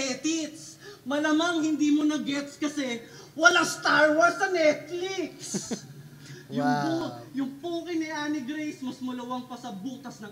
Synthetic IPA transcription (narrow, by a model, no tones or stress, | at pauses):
ɛt̪it̪smɐlɐmɐŋhɪnd̪iːmonɐɡɛt̪skɐsɛ | wɐlaŋst̪aɹwɔɹsɐnɛt̪̚fliks | jʊŋpujʊŋpuːkɪnɪʔaːnɪɡɾejsmɐsmɐlɐwɐŋpɐsɐbuːt̪ɐsnɐ